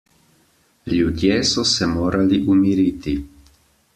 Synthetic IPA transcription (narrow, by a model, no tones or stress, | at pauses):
lʲjud̪jesɔsɛmoːɾʔaliʔumiɾiːt̪i